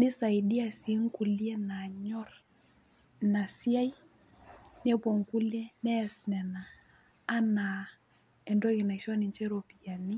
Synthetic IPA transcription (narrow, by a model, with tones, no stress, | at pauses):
nɪ˦sa˨i˨di˦a˨si˨e˦ŋ˦ku˨li˦ɛ˦na˨ɲɔ˦r | na˨si˦a˦j | nɛ˦pɔ˨ŋku˦lɛ˦nɛ˦˨snɛ˨naː˨˦ | na˨ | ɛ˨ndɔ˦ki˨na˨kʃɔ˦ni˨nt͡ʃɛ˦ɾo˨pi˨ja˨ni˦